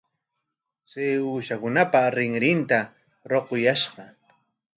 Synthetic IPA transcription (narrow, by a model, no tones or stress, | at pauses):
seuːʃakʊnapaɾɪŋɾɪnt̪a | ɾoqojaʃɢɑ